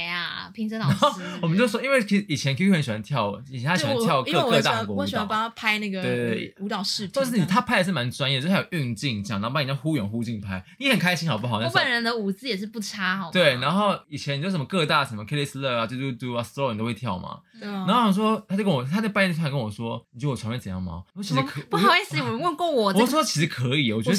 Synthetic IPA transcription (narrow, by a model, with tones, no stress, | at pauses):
a˨˩pʰi˧˥ŋʂə˧˥lɑn˨a˧˦o˥˩wɔ˨mə˦nt͡ɕjo˥˧ʊʂwɔ˥i˥we˥˩ɪkʰi˧˥i˨˩t͡ɕʰjɛ˧nkʰɕɛ˨˩a˧˦nt̪ʰjɑ˥˩ʊi˨˩ɛ˨˦nʰa˥ɕtʰjɑ˥˧ʊ˥ɤ˥˧˥kkɤ˧˥˧a˥kwɔ˧˥ɔ˧˥˨a˨˩a˥˩pʰa˥ɪna˥˩ɡə˩t̪we˥˩u˧˥t̪ɑ˨˩ʊʂɻ̩˥˩t͡ɕʰʂ̩˥˩ni˨˩t̪ʰa˥pʰa˥ɪə˩ʂ̬ɻ̩˥˩ma˧˦nʈ͡ʂwa˥njɛ˥˩˨jo˨˩ʔy˥˧ŋt͡ɕi˥˧ŋt͡ɕjŋn˨˧˥pa˥˩˨xu˥ɥɛ̰˨˩nxu˥t͡ɕi˥˧ŋpʰa˥ɪni˨˥hə˨˩nkʰa˥ɪɕi˥nxɑ˨˩ʊp̬u˥xɑ˨˩˦na˥pə˨˩nɻə˧˦nd̪ə˧u˨˩t͡sɹ̩˥jɛ˨˩ʂ̬ɻ̩˥˧pu˥˩ʈ͡ʂʰa˥˨˩t̪we˥˩ɪna˧nxo˥˩ʊi˨˩t͡ɕʰjɛ˧˦n˨t͡ɕo˥˧˩ʂmə˧kɤ˥˧t̪a˥˩ʂə˧˦mə˧kʰe˥li˥s̩˧lə˥˩a˨˩t͡ɕt̪u˥t̪u˥a˧slo˥ʊn˨t̪o˥˧we˥˧˩t̪ʰjɑ˥˩ʊma̰˩a˧˥o˥˩ɕɑ˨˧˩s̬wɔ˥t̪ʰa˥t͡ɕo˥˧ʊkə˥nwɔ˨˩t̪ʰa˥˩pa˥˧nʰ˥˧˥kə˥nwɔ˨˩ʂwɔ˥ni˨t͡ɕɔ˨˩ɑ˧˦mjɛ˥˧˩t͡sə˨˩jɑ̰˥˩ŋma̰˨˩ɔ˥˩t͡ɕʰi˧˥ʂ̩˧˥kʰpu˥˩xɑ˨˩ʊi˥˩s̩˧˨wɔ˨˩˧wə˥˧nkwɔ˥˩wɔ˨˩˨st͡ɕʰi˧˥ʂɻ̩˧˥kʰɤ˧˦i˨˩wɔ˨t͡ɕɛ˧˥